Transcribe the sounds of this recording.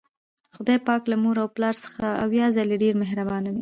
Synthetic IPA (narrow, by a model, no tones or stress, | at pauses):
xʊd̪ɑjpɑklamuɾawplɑɾsə̥xaawjɑzaleɖeɾmeɦɾabɑnawi